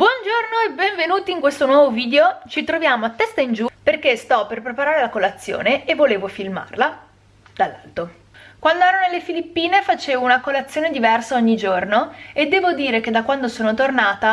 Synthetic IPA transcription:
bwɔnd͡ʒornoebːeɱvenuːt̪iŋkwest̪onwɔːvoviːd̪eot͡ʃit̪ɾovjaːmoat̪ːɛst̪aind͡ʒuperk̟est̪ɔperpɾepaɾaːɾelakolat̪sːjo̰ːneevːoleːvofilma̰rla | d̪̥alːa̰lt̪o | kwand̪oɛːɾonelːefilipːiːnefat͡ʃeːvounakolat̪sːjoːned̪ivɛrsaoɲːid͡ʒornoed̪ːɛːvod̪iːɾek̟ed̪ːakwand̪osoːnot̪ornaːt̪a

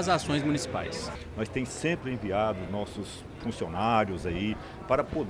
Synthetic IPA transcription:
ɐzasõj̃zmunisipa̰js | nɔjst̪ẽj̃sẽpɾɪẽviad̪ʊznɔsʊs | fũsionaɾjʊzai | paɾɐpod̪

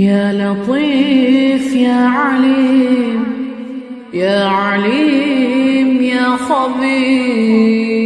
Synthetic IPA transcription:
jaːlɑt̪ˤiːfjaːʕaliːm | jaːʕaliː | mjaːxɑbiː

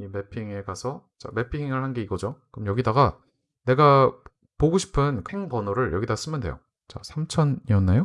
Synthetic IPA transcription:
ime̞pʰiŋe̞kasʰʌ | t͡ɕa̰me̞pʰiŋɯɭhanɡe̞iɡʌd͡ʑokɯmjʌɡidaɡa | ne̞ɡa | poɡoɕʰi̥pʰɯnkɯheŋbʌnoɾɯɭjʌɡidaɡas͈ɯmjɯnde̞̰jo̰ | t͡ɕa̰sʰamt͡ɕʰʌniʌnːajo

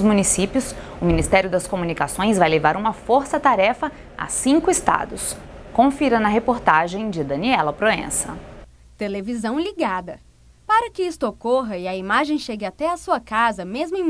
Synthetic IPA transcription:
zmunisipjʊs | ʊminist̪ɛɾjʊd̪ɐskomunikasõj̃zvajlevaɾũmɐfoɾsɐt̪aɾɛfɐ | a̰sĩŋkʊɪst̪a̰d̪ʊs | kõfiɾɐnɐɦepoɾt̪aʒẽj̃d͡ʒɪd̪ɐ̃niɛlɐpɾoḛ̃sɐ̰ | t̪elevizɐ̃w̃liɡad̪ɐ | paɾɐkɪist̪ʊokoɦɐiɐimaʒẽj̃ʃeɡɪat̪ɛɐsuɐkazɐmezmʊẽj̃

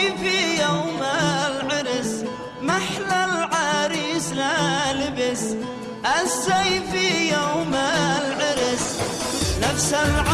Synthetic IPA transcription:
fijawmalʕɪɾs | maħlalʕaɾiːslalɪbɪs | ʔasːajfijawmalʕɪɾɪs | nafsalʕa

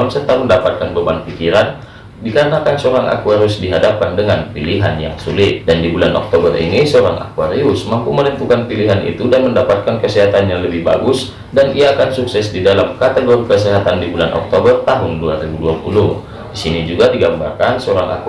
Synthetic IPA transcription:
ŋsət̪aməndapat̪̚kanbəbanpikiɾan | dikaɾənakansoɾaŋʔa̰kuaɾiʊsdiɦadap̚kandəŋanpiliɦa̰nja̰ŋsulɪt̪̚dandibulanʔɔ̰k̚t̪obərʔḭnisoɾaŋʔa̰kuaɾiʊsmampumənənt̪ukanpiliɦanʔḭt̪udanməndapat̪̚kankəsɛɦat̪anjaŋləbɪhba̰ɡʊs | danʔiaːkansuksɛsdidalamkat̪əɡoɾikəsɛɦat̪andibulanʔɔ̰k̚t̪obərt̪aɦʊnduaɾibuduapuluh | disinid͡ʒuɡadiɡamba̰rkansoɾaŋa̰k

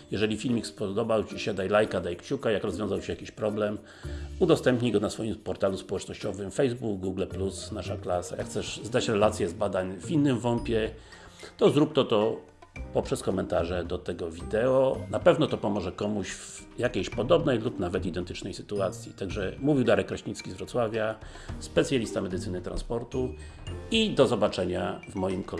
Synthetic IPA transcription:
jɛʐɛlʲifʲilmʲikspɔd̪ɔbawt͡ɕiɕɛd̪ajlajkad̪ajkt͡ɕukajakɾɔzvʲɔ̃zawt͡ɕiɛjakʲiɕpɾɔblɛm | ud̪ɔst̪ɛmpɲiɡɔnasfɔjimpɔɾt̪aluspɔwɛt͡ʂnɔɕt͡ɕɔvɘmfɛjzbuɡɡuɡlɛplusnaʂaklasa̰jakxt̪sɛʂzd̪at͡ɕɾɛlat̪sʲjɛzbad̪aɲvʲinːɘmvɔmpʲjɛ | t̪ɔzɾup̚t̪ɔt̪ɔ | pɔpʂɛskɔmɛnt̪aʐɛd̪ɔt̪ɛɡɔvʲid̪ɛɔnapɛvnɔt̪ɔpɔmɔʐɛkɔmuɕv | jakʲejɕpɔd̪ɔbnɛjlupnavɛt̪id̪ɛnt̪ɘt͡ʂnɛjsɘ̥t̪uat̪sʲjit̪aɡʐɛmuvʲiwd̪aɾɛkːɾaɕɲit̪skʲizvɾɔt̪swavʲja | spɛt̪sʲjalʲist̪amɛd̪ɘt̪sɘnɘt̪ɾa̰nspɔɾt̪u | id̪ɔzɔbat͡ʂɛɲavmɔjimkɔ

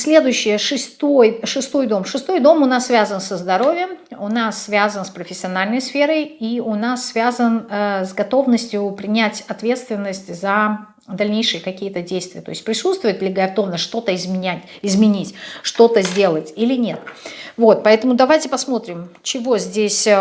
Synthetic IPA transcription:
sʲlʲe̞d̪ʊjʉɕːɪjəʂɨst̪ojʂɨst̪o̞jd̪o̞mʂɨst̪o̞jd̪o̞mʊnasːvʲazənsəzd̪ɐɾo̞vʲɪjəmʊnasːvʲazənspɾəfʲɪsʲɪɐnalʲnəjsfʲe̞ɾəjiʊnasːvʲazənzɡɐt̪o̞vnəsʲtʲjʊpɾʲɪnʲætʲɐt̪vʲe̞t̪st̪vʲɪnːəsʲtʲzə | d̪ɐlʲnʲejʂɨjəkɐkʲijət̪ədʲejst̪vʲɪjət̪o̞ɪsʲt̚ʲpɾʲɪsut̪st̪vʊjɪt̪̚d̪lʲɪɡəɐft̪omnəʂt̪o̞t̪əɪzmʲɪnʲætʲ | ɪzmʲɪnʲitʲʂt̪o̞t̪əzʲdʲe̞lˠətʲilʲɪnʲe̞t̪vo̞t̪̚pɐɛt̪əmʊd̪ɐvajtʲɪpɐsmo̞t̪ɾʲɪmt͡ɕɪvo̞zʲdʲesʲ

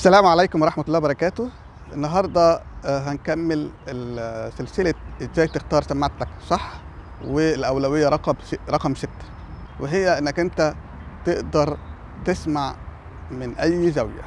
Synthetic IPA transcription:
ʔæsːælæːmʕalæjkomwɾˤɑħmæt̪lːˤɑːbɑɾˤɑkæːt̪o | ʔenːɑɦɑɾˤd̪ˤɑɦænkæmːeleselseleeʒæːjt̪ext̪ɑːɾˤsæmːaʕt̪læksˤɑħː | welʔæwlæwejːæɾˤɑqɑbeɾˤɑqɑmset̪ːæ̥ | weɦejːæʔenːækʔent̪æ | t̪eʔd̪ɑɾˤ | t̪esmaʕ | menʔæjːzæwjæ̰

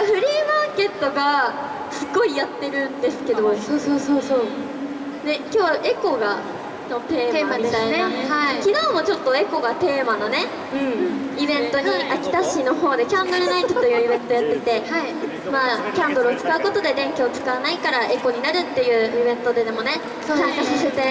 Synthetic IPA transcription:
ɸɯ̟ɾʲiːmaːke̞t̪ːoɡa | sɨɡo̞ijat̪ːe̞ɾɯ̟̃nd̪esɨ̥ke̞d̪o̞soːsoːsoːsoː | ne̞kʲo̞ːʔe̞ko̞ɡa̰ | not̪e̞ːmːamamʲit̪ainaakʲino̞ːmo̞t͡ɕot̪ːo̞e̞ko̞ɡat̪e̞ːmanonẽ̞ | ibẽ̞nt̪o̞ɲ̟iʔakʲi̥t̪aɕino̞ɦo̞ːd̪e̞kʲãnd̪oɾɯnait͡ɕoojɯːibẽ̞nt̪ojat̪ːet̪e̞ | maːkʲãnd̪oɾɯːt͡sɨ̥kaɯ̟ko̞t̪o̞d̪e̞d̪ẽ̞ŋkʲoːt͡sɨ̥kaβanaikaɾaʔe̞ko̞ɲ̟inaɾɯ̟t̪ːe̞jɯ̟ːibẽ̞nt̪o̞d̪ed̪emo̞ne | sosãŋkasiset̪e̞

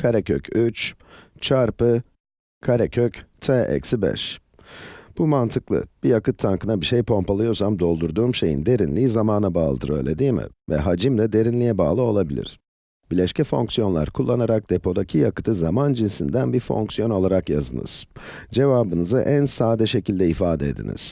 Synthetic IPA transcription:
kʰaɾɛcʰøcʰyt͡ʃt͡ʃʰaɾpɯ | kʰaɾecʰøct̪ʰeʔɛ̰csibɛ̰ʃ | b̥umant̪ʰɯklˠɯ̰b̥ijakɯt̪ʰːaŋkɯnabiʃejpʰo̞mpalˠɯjo̞ɾsamd̪o̞lˠd̪uɾd̪uːmʃe̞jḭnd̪e̞ɾinlʲiːzamaːnabaːlˠɯd̪ɯ̰ɾø̞̰ːlʲed̪iːmɪ̰vɛ̰ɦad͡ʒimlʲɛd̪e̞ɾinlʲijɛbaːlˠɯo̞lˠabilʲḭɾ̥ | bilʲɛʃcʰɛfo̞ŋksijo̞nlˠa̰ɾkʰulˠːanaɾak̚d̪e̞pʰo̞d̪acʰijakɯ̥t̪ʰɯzamand͡ʒinsind̪ænbiɾfo̞̰ŋksijo̞no̞lˠaɾakja̰zɯ̰nɯ̰z̥d͡ʒe̞vaːbɯnɯzɯʔænsaːd̪ɛʃe̞cilʲd̪ɛifaːd̪ɛed̪ḭnḭz̥

